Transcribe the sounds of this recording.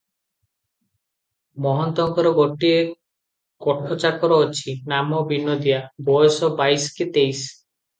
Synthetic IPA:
mɔɦɔnt̪ɔŋkɔɾɔɡɔʈie | kɔʈʰɔt͡ʃakɔɾɔːt͡ʃʰinamɔbinːod̪iabɔjɔsɔbajsket̪ejs

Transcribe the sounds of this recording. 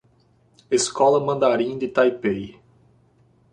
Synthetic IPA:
eskɔlɐmɐ̃nd̪aɾĩd̪ɪt̪ajpej

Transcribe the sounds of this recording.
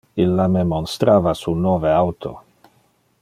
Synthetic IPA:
ilːamemonst̪ɾaːvasunːoːveawt̪ʰo̰

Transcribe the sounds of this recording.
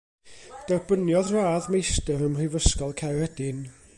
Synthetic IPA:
d̥ɛrbənjɔðraːðmejstəɾəmrɪvəskɔlˠkʰawhɛdɪn

